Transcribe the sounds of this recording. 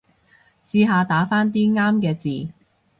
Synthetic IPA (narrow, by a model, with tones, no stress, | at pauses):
siː˧ɦaː˨˧t̪aː˨˥faː˥nt̪iː˥ŋaː˥mkɛː˧t͡siː˨